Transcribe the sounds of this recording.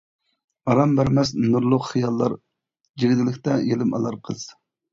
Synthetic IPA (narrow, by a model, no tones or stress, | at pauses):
ɑɾɑmbæɾmɛs̬nuɾlˠʊqχijɑlˠːɑɾ | d͡ʒiɡʲid̪ɪlɪkʲt̪ɛjelɪmɑ̰lˠɑɾqʰəz̥